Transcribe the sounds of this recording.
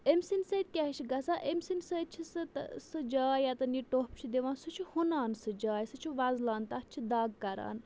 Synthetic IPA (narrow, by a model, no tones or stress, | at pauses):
emsinset̪̚ʲkʲɛɦt͡ʃʰiɡɐsaːʔemsinsət͡ʃʰisɨt̪sɨd͡ʒaːjat̪ɐniʈoːpt͡ʃʰid̪eʋãːnsut͡ʃʰuhunaːnsɨd͡ʒaːjsɨt͡ʃʰuʋɐzlaːnt̪ɐt͡ʃʰid̪aːɡkɐɾa̰ːn